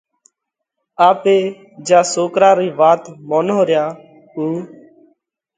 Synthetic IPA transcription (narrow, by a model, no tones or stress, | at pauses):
aːpeː | d͡ʒãːsoːkɾaːɾiːʋaːt̪moːnoːɾjaː | uː